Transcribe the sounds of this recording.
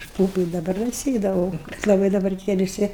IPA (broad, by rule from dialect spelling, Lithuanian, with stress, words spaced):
ɐʃ ˈpuːpʊ ɪ dɐˈbɐr dɐ ˈsʲeːdɐʋɐʊ kɐt lˠɐˈbɐɪ dɐˈbɐr tʲiɛ ʋʲɪˈsʲɪ